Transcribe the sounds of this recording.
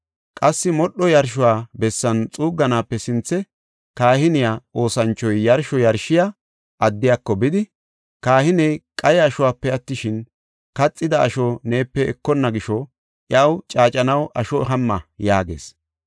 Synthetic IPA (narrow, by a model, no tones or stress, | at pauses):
kʼɐsːɪmɔɗːɔjɐɾʃ̬ʊwaːbɛsːɐnt͡sʼuːɡːɐnaːpːɛsɪnt͡sːɛ | kaːhɪnɪjaːʔo̞ːsɐnt͡ʃːɔjːɐɾʃɔjɐɾʃɪja | ʔɐd̪ːɪjaːkːɔbɪd̪ɪ | kaːhɪnɛjkʼɐjɐʃʊwaːpːɛɐt̪ːɪʃɪn | kɐt͡sʼːɪd̪ɐɐʃɔne̞ːpːɛɛkːɔnːɐɡɪʃɔ | ʔɪjɐwt͡ʃʼaːt͡ʃʼɐnɐwʔɐʃɔɦɐmːɐjaːɡḛːs